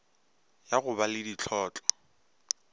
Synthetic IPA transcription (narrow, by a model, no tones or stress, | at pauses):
jaɣʊbalɪdit͡ɬʰɔːt͡ɬʼɔ̥